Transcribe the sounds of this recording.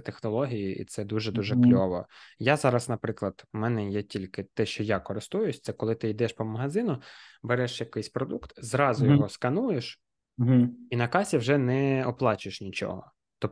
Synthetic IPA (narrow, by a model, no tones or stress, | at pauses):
t̪exnɔlˠɔɦʲijiʔḭt̪sɛd̪uʒɛd̪uʒɛklʲɔʋɔ̰jazɑɾɐsnɐpɾɪklˠɐd̪̥mɛnɛjɛtʲilʲkɪt̪ɛʃt͡ʃɔjakɔɾɪst̪ujʊsʲt̪sɛkɔlˠɪt̪ɪid̪ɛʃpɔmɐɦɐzɪnʊbeɾɛʃjɐkɪjsʲpɾɔd̪ukt̪zɾɑzʊjɔɦɔskɐnujeʃ̩ | ɦinɐkɑsʲiwʒɛnɛɔplˠɑt͡ʃɪʃnʲit͡ʃɔ̰ɦɔ | t̪ɔ